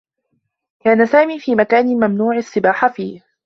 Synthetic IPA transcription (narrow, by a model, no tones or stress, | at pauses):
kaːnasaːmiːfiːmakaːnɪmamnuːʕɪsːɪbaːħafiːh